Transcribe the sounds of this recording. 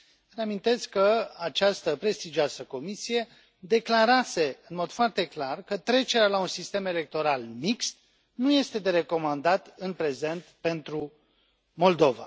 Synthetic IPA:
reamint̪e̞skəat͡ʃast̪əpɾe̞st̪id͡ʒioasəko̞misije̞ | d̪e̞klaɾase̞ɨnmo̞d̪̥foart̪e̞klarkət̪ɾe̞t͡ʃe̞ɾealaunsist̪e̞me̞le̞k̚t̪o̞ɾalmikst̪ | nuje̞st̪e̞d̪e̞ɾe̞ko̞mand̪at̪ɨnpɾe̞ze̞nt̪pe̞nt̪ɾu | mo̞ld̪o̞va̰

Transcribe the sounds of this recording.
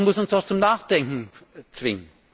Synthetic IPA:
mʊsn̩sat͡sʊmnaːχd̥ɛŋkŋ̩t͡sv̥ɪŋən

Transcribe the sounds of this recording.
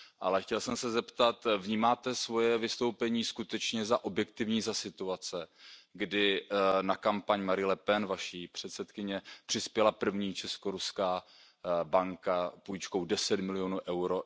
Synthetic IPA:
ʔa̰lɛxcɛlsɛmsɛzɛpt̪at̪vɲiːmaːt̪ɛsvo̞jɛvɪst̪o̞wpɛɲiːskut̪ɛt͡ʃɲɛzaʔo̞bjɛk̚t̪ɪvɲiːzasɪt̪uat͡sɛɡdɪnakampaɲmaɾɪlɛpɛnvaʃiːpr̝̥ɛt̪sɛt̪kɪɲɛpr̝̥ɪspjɛlapr̩vɲiːt͡ʃɛsko̞ɾuskaː | baŋkapujt͡ʃkowdɛsɛt̪mɪlɪjonuːʔɛwɾo

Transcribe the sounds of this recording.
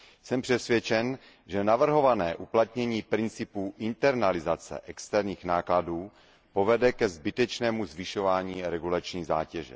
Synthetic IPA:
sɛmpr̝̥ɛsvjɛt͡ʃɛn | ʒɛnavr̩ɦo̞vanɛːʔuplat̪ɲɛɲiːpɾɪnt͡sɪpuːʔɪnt̪ɛɾnalɪzat͡sɛ̰ʔɛkst̪ɛɾɲiːxnaːkladuː | po̞vɛdɛkɛzbɪt̪ɛt͡ʃnɛːmuzvɪʃo̞vaːɲiːɾɛɡulat͡ʃɲiːza̰ːcɛʒɛ̰

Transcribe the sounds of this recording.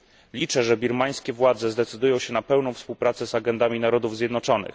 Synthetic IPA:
lʲit͡ʂɛʐɛbʲiɾmaj̃skʲɛvwad̪zɛzd̪ɛt̪sɘd̪ujɔ̃w̃ɕɛnapɛwnɔ̃w̃fspuwpɾat̪sɛzaɡɛnd̪amʲinaɾɔd̪uvzʲjɛd̪nɔt͡ʂɔnɘ̰x

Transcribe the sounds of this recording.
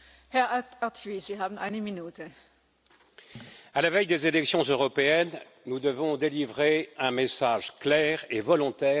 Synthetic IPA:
hɛɐatiz̥iːɦaːbn̩ʔa̰ɪnəminuːtʰə | alavɛjd̪ezelɛksjɔ̃zøʁɔpeɛn | nud̪əvɔ̃d̪elivʁeɛ̃mesaʒklɛːʁevɔlɔ̃t̪ɛː

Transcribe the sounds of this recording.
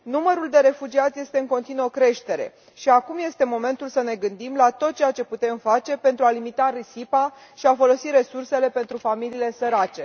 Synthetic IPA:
numəɾuld̪e̞ɾe̞fud͡ʒiat̪sʲje̞st̪e̞ɨŋko̞nt̪inuokɾe̞ʃt̪e̞ɾe̞̰ | ʃiakumje̞st̪e̞mo̞me̞nt̪ulsəne̞ɡɨnd̪imlat̪o̞t̪̚t͡ʃe̞jat͡ʃe̞put̪e̞mfat͡ʃe̞pe̞nt̪ɾualimit̪aɾisipa | ʃiafo̞lo̞siɾe̞surse̞le̞pe̞nt̪ɾufamiliːle̞səɾat͡ʃe̞

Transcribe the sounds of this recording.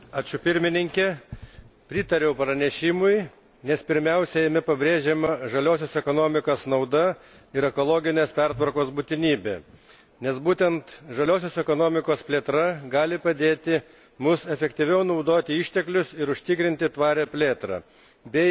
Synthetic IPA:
ɑːt͡ʃʲʊpʲɪɾʲmʲɪnʲɪŋʲkʲɛ | pʲɾʲɪt̪ɐɾʲɛʊpɾɐnʲɛʃʲɪmʊɪ | nʲɛspʲɪɾʲmʲɛʊsʲɛjɛmʲɪpɐbʲɾʲeːʒʲemɐʒɐlʲoːsʲoːsɛkoːnoːmʲɪkoːsnɐʊd̪ɐ | ɪɾɛkolˠoːɡʲɪnʲeːspʲɛɾt̪ʋɐɾkoːsbut̪ʲɪnʲiːbʲḛ | nʲɛsbuːt̪ʲɛnt̪ʒɐlʲoːsʲoːsɛkoːnoːmʲɪkoːspʲlʲeːt̪ɾɐɡɑːlʲɪpɐd̪ʲeːt̪ʲɪ | mʊsɛfʲɛkt̪ʲiʋʲɛʊnɐʊd̪oːt̪ʲɪɪʃʲt̪ʲɛklʲʊsɪɾʊʃʲt̪ʲɪkɾʲɪnʲt̪ʲɪt̪ʋɑːɾʲɛpʲlʲeːt̪ɾɐ̰ | bʲɛ

